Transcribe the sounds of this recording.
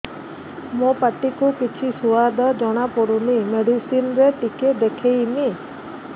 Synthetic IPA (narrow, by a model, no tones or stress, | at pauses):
mũpaʈikukit͡ʃʰisuwad̪ʱɔd͡ʒɔɽ̃apɔɽunimeɖisinɾeʈiked̪ekʰejni